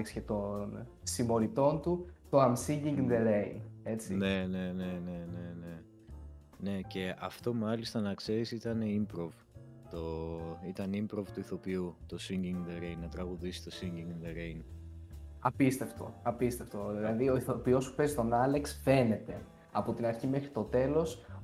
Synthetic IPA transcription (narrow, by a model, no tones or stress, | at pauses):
eksce̞t̪o̞nsimo̞ɾit̪o̞nt̪ut̪o̞ɐmsiɲɟiŋɡnd̪eɾejne̞t͡sine̞ne̞nene̞ne̞ne̞ | ne̞ce̞ɐft̪o̞mɐlist̪ɐnɐkseɾisit̪ɐne̞impɾov | t̪oit̪ɐnimpɾo̞vt̪uiθo̞piut̪o̞siɲɟiŋɡd̪eɾejnːɐt̪ɾɐɣuðisi̥t̪o̞siɲɟiŋɡnd̪eɾejn | ɐpist̪e̞ft̪o̰ɐpist̪e̞ft̪o̞ððilɐðio̞iθo̞pio̞spu̥pezit̪o̞nɐleksfe̞ne̞t̪e̞ | ɐpo̞t̪inɐɾçime̞xɾit̪o̞t̪e̞lo̞s